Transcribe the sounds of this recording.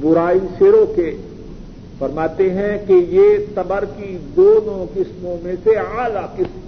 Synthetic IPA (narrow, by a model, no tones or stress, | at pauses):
bʊɾaːiʃeːɾõke | fɐɾmaːt̪eɦɛ̃kejesɐbəɾkid̪oːnõkɪsmõmẽseaːlakɪs